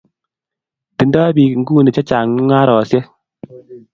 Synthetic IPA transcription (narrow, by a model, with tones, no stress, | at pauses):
ti˨ndɔː˦bi˨ŋ̩˦ɡu˦˨ni˨t͡ʃa˦t͡ʃa˨ŋ˦ŋa˦ɾɔ˨sjɛ˦